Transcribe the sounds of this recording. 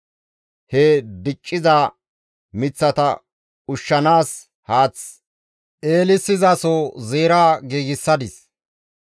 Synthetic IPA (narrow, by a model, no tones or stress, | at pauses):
hed̪ɪt͡ʃʼːɪzaː | mɪt͡sːɐt̪ɐ̰ | ʊʃːɐnaːs | haːt͡s | ʔeːlɪsːɪzɐsɔzeːɾaːɡiːɡɪsːɐd̪ɪs